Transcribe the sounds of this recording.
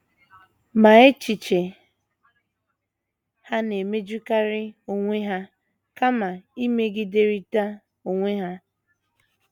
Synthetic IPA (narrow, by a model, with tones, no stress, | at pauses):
ma˨e˦t͡ʃi˨t͡ʃe˨ | ha˦ne˨me˦d͡ʒu˦ka˦ɾɪ˦o˨ŋʷe˦ɦa˦ | ka˦ma˨i˦me˦ɡɪ˦de˦ɾi˦ta˦ | o˨ŋʷe˦ɦa˦